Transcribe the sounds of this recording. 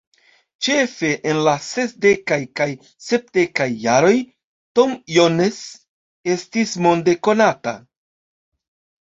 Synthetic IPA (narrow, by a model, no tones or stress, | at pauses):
t͡ʃe̞fe̞ʔenlase̞sde̞kajkaj | se̞p̚de̞kajːaɾo̞j | to̞mjones | e̞stismo̞nde̞ko̞nata̰